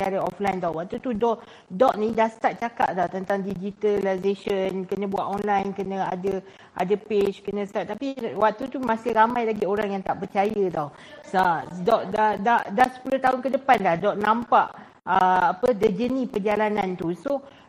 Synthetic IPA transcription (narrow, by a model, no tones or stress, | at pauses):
aɾəɔ̰flajnd̪awwaʔ̚t̪ut̪udɔʔ | dɔʔ̚nĩdahst̪at̪̚t͡ʃaka̰ʔd̪at̪ənt̪aŋdid͡ʒit̪alajzeʃənkənə̃bua̰t̪ɔnlajnkənə̃adə | ʔa̰dəpet͡ʃkənə̃st̪aʔt̪ːapiwak̚t̪ut̪umasɪhɾamãjlaɡioɾaŋjaŋt̪aʔpərt͡ʃajəd̪aw | sadɔʔdadaʔdahsə̥puloht̪aɦʊnkədəpanlahdɔʔnãmpaʔ | əapədəd͡ʒənĩpərd͡ʒalanãnt̪uso